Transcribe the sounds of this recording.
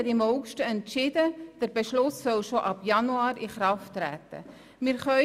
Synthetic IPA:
ɛtɪmhɔʊkʃtəɛntːʃɪdəd̥əɾbeʃlʊssœlʃoʔɑpjɑnuɑːɾiχɾɑftːɾæ̰ːt̪ə̰ | mɪːɾχœ

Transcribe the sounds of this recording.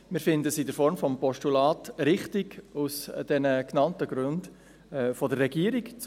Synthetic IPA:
mɪɾfɪndəsidəɾfɔɾmfɔmpɔʃtulaːtɾɪχtɪɡusd̥ɛnəknɑntəɡɾʉnd | fɔdərːɛɡiːəɾikt͡s

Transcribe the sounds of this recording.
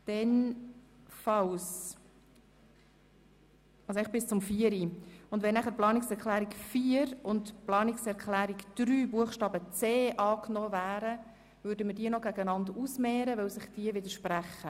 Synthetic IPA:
d̥ɛn | fɑws | ɑsoɛɪχb̥ɪst͡sʊmfiəɾiʊndʋɛnːæχəɾplɑːnɪksɛɾklæːɾikfiːəɾʊntplɑːnɪksɛɾkʰlæːɾikd̥ɾyːbuəχʃtɑːbət͡seːʔɑːknɔːvæːɾə | vøɾdəmədiːənɔɡ̥æɡənɑndusmɛːɾəvœwsɪχd̥iəvɪdəɾʃpræχə

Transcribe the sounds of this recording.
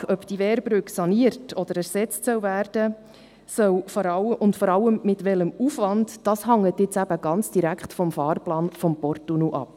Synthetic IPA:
œpd̥iʋɛːɾbɾʏksɑniəɾtʰɔd̥̪əɾæɾsɛt͡stsœwvæːrd̥ə | sœwfɔɾɑʔʊntfɔɾɑlːəmmɪtʋɛləmufʋɑndd̥ɑːsɦɑŋːətɪt͡sæb̥əɡ̥ɑnt͡sd̥iɾækʰχtfɔmfɑːɾplɑːnfɔmpɔrtunuʔɑ̰p̚

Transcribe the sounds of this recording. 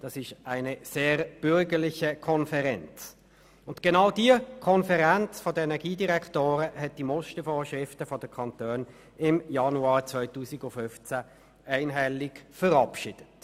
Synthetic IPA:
d̥ɑsɪʃæɪnəseːʁb̥ʏɾɡəʁlɪçəkʰɔnfɛʁɛnt͡s | ʊntɡ̥enaʊdiəkʰɔnfɛʁɛnt͡sfɔdəɛnɛɡiːdiʁɛkʰtoːʁəhɛt̚d̥imɔʃtəfoːʃʁɪftəfɔdəkʰɑntøːn | ɪmjɑnuɑːt͡svœʏtuːsɪɡʊfʏft͡sæ | æɪnɦɛlɪkfəʁɑpʃɪd̥ət

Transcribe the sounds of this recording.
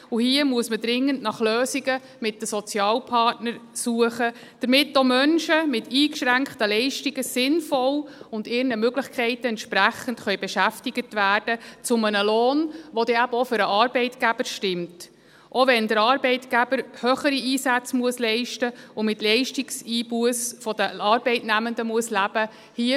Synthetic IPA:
uhiəmuəsməd̥ɾɪŋːəntnɑχløːsiɡə | mɪt̚dəsɔt͡sjɑːlpʰɑrtnəɾsuəχə | d̥əɾmɪtːomœnʃəmɪtʰiːkʃɾæŋkχtəlɛɪʃtiɡəsɪnfɔlʊndɪɾnəmøɡləχkʰχɛɪtəɛntʃpɾæχən̩tχœɥbɛʃæftiɡ̥ətʋæːrd̥ət͡sʊmənəloːnʋɔd̥̪ɛæb̥əɔfʏɾəʔɑːɾb̥ɛɪtɡ̥æb̥əɾʃtɪmt | ʔoʋɛnd̪əɾɑːɾbɛɪtɡ̥æb̥əɾhøːχəɾiiːsæt͡smuəslɛɪʃtəʊmɪtlɛɪʃtiksiːb̥uəsfɔd̥əɑːɾbɛɪtnæməndəmuəslæb̥ə | hiə

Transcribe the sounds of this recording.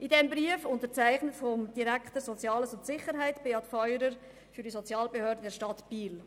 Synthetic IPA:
ʔidɛmbɾiəfʊntət͡sæɪχnətfɔmd̥iɾækt̪əɾsɔt͡sjɑːləsʊntsɪχəɾɦæɪtb̥eːɑtfɔʏɾəɾ | fyɾdisot͡sjɑːlbehøːɾdədɛɾʃtɑtb̥iːl

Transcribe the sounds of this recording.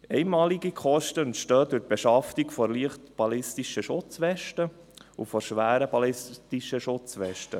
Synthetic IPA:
ɛɪmɑːliɡikʰχɔʃtənʃtœːdʉɾt̚b̥ɛʃɑftikfɔɾliəχtb̥ɑlɪstiʃəʃʊt͡sʋɛʃtə | ṵfɔɾʃʋæːɾəb̥ɑlɪstiʃəʃʊt͡sʋɛʃtə̰

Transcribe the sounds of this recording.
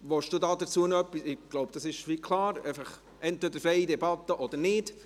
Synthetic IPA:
ʋɔʃd̥uːd̪ɑːd̪ət͡suənœpːisɪɡ̥loʊbd̥̪ɑsɪʃʋikʰlˠɑːɾɛɪfɑχ | ʔɛntʋɛd̪əɾfɾɛɪid̪ɛbɑt̪ːəʔɔd̪əɾnɪd̥

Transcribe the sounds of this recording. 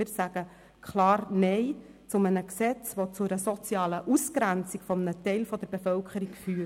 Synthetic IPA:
ɪsæɡ̥ə | kχlɑːɾnɛɪ | t͡sʊmənəksɛt͡sʋot͡sʊɾəsɔt͡sjɑːləʔuskɾænt͡sikfɔmənətɛɪlfɔd̪əɾb̥efœlkʰəɾikfyː

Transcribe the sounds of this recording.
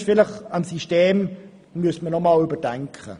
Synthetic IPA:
ʃfɪləχamsiʃteːm | myəsmənɔmalybədɛŋkʰə̰

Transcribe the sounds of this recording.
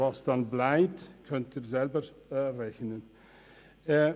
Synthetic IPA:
ɑsd̥ɑnblɛjp̚tkʰɵntirzɛlbər | reçnən

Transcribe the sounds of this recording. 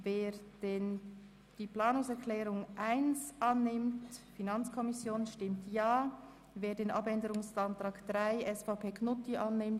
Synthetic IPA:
veːd̥en | d̥iːplaːnʊŋsɛɐɹkʰlɛːɾʊŋʔaɪnsʔɑnːɪmtfinɑnt͡skʰɔmɪsjoːnʃtɪmtʰjaː | veːdeːnʔɑbɛndəɾʊŋsantʁ̥aːkd̥ʁaɪʔɛsfapʰeːknʊtiʔɑnːɪmt

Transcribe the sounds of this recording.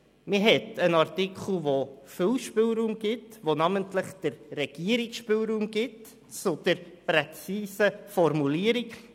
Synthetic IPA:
mɪɦɛtənɑɾtikχl̩ˠʋofɪlʃpɪlɾuːmɡ̥ɪtʋonɑməntləχd̥əɾrɛɡ̥iəɾiksʃpɪlɾuːmɡɪt | t͡sʊd̪̥əɾpɾɛt͡siːsəfɔrmuliːəɾik

